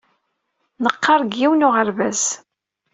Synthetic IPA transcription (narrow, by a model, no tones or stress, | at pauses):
nəqːɑɾˤɡjiwnʊʁəɾvæz